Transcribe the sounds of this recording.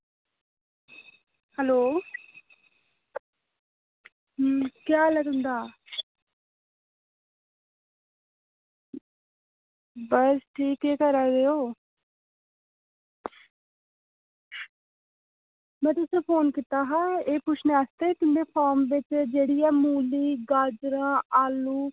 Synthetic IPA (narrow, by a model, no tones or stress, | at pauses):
həloː | kjaːləɡɦʊ̃nd̪aː | bəsʈʰiːkeːkəɾaːɾeːoː | mɛ̃ːt̪ʊsẽːpʰoːnkit̪aːɦãːeːpʊt͡ʃʰneːaːst̪eːk̪ɪnd̪eːpʰaːɾmʋɪt͡ʃd͡ʒeːɽiːɛːmuːliːɡaːd͡ʒɾãːaːlũː